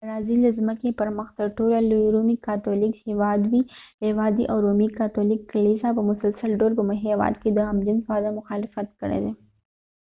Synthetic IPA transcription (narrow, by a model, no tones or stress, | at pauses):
ɾaziləzməkepəɾməxt̪əɾʈolalɾumikɑt̪ɔlikhewɑd̪wihewɑd̪iʔawɾumikat̪ɔlikːɐlisapəmʊsəlsəlɖoɾpəmɦewɑ̰d̪ked̪əɐmd͡ʒɪnfad̪amʊxɑlɪfət̪kəɽḛd̪e